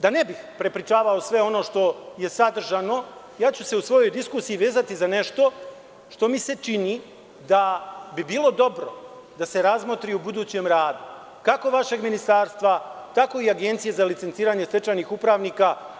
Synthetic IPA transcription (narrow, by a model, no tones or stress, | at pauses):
d̪ane̞bixpɾe̞pɾit͡ʃaːʋao̞sʋe̞o̞no̞ʃt̪o̞je̞sad̪r̩ʒano̞ | jaːt͡ɕuse̞usʋo̞jo̞jd̪iskuːsijiʋe̞ːzat̪izane̞ʃt̪o̞ | ʃt̪o̞mise̞t͡ʃini | d̪abibiːlˠo̞d̪o̞bɾo̞̰ | d̪ase̞ɾazmot̪ɾiubud̪uːt͡ɕe̞mɾaːd̪u | kako̞ʋaʃe̞ɡminist̪aːɾst̪ʋat̪ako̞iaɡe̞nt̪sije̞zalit̪sent̪siːɾaːɲese̞t͡ʃanixupɾaːʋniːka